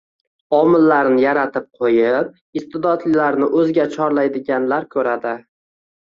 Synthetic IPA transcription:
ɒmɪlːaɾnɪjaɾat̪ʰɪp̚qʰojɪp̚ | ɪst̪ɪd̪ɒt̪lɪlaɾnɪʔɵzɡʲat͡ʃʰɒɾlajd̪ɪɡʲanlaɾkʲʰɵɾad̪ɪ

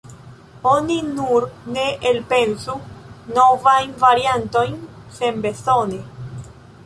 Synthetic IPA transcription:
o̞ninuɾne̞ʔelpe̞nsuno̞vajnvaɾianto̞jn | se̞mbe̞so̞ne

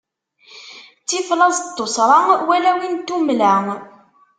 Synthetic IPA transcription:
t͡sːiflˤɑzt̪ˤːosɾˤɑwælæwint̪umlæŋ

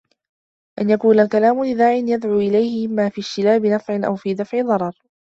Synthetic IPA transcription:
ʔanjakuːnalkalaːmʊlɪðaːʕɪnjad̪ʕuːʔɪlajhɪɪmːaːfiːʃtɪlaːbɪnafʕɪnʔa̰wfiːd̪afʕɪðˤɑɾˤɑɾˤ

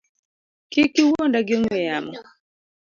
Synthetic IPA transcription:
kikiwɔndaɡɔŋɛamɔ

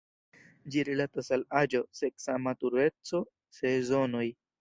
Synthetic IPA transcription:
d͡ʒiɾilat̪asalad͡ʒoseksamat̪uɾet͡so | sezonoj

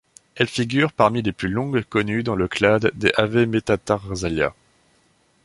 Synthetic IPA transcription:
ɛlfiɡʲyʁpaʁmileplylɔ̃ɡkɔnyd̪ɑ̃ləklad̪ːeʔavemet̪at̪aʁzalja̰

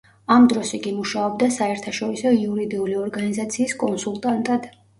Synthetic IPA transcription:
amd̪ɾɔsiɡimuʃaɔbd̪asaɛɾt̪ʰaʃɔɾisɔiuɾid̪iuliɔɾɡanizat̪sʰiːskʼɔnsulˠt̪ʼant̪ʼad̪

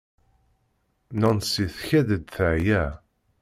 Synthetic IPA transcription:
nænsiθçæðəd̪θəʕjæ

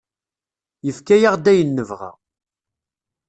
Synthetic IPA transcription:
jəfkæjaʁd̪æjənːəvʁa̰

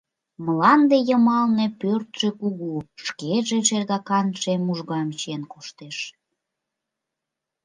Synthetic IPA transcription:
məlɑnd̪ejəmɑlne̽pørt̪ʒ̥ekuɣuʃkeʒeʃerɣɑkɑnʃemuʒɣɑmt͡ɕienkoʃt̪eʃ

